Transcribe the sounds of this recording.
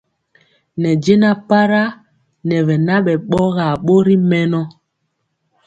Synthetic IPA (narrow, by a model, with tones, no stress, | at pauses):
nɛ˨d͡ʒe˦na˦pa˦ɾa˦ | nɛ˨vɛ˨na˦ɓɛ˨ɓɔ˦ɣa˨ɓo˦ɾi˦mɛ˦nɔ˦